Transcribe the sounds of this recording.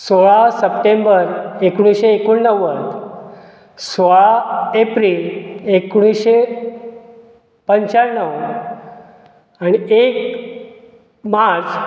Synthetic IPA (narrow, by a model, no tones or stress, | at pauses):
soɭasəpʈembəɾekɽ̃iɕeːkuɳːəʋət̪ | soɭaepɾilekuɽ̃iɕe | pəɲt͡ɕaɾɳːəw | añiek | maɾt͡s